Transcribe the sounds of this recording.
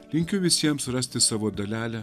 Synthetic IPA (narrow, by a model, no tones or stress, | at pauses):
lʲɪŋʲkʲʊʋʲɪsʲiɛmsɾɐsʲt̪ʲɪsɑːʋoːd̪ɐlʲæːlʲæ